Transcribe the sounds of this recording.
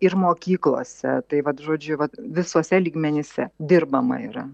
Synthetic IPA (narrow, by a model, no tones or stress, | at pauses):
ɪrmoːkʲiːklˠo̰ːsʲɛ̰t̪ɐɪʋɐt̪ʒoːd͡ʒʲʊʋɐt̪ʋʲɪsoːsʲɛlʲiːɡmʲɛnʲeːsʲɛd̪ʲɪrbɐmɐ̰iːɾɐ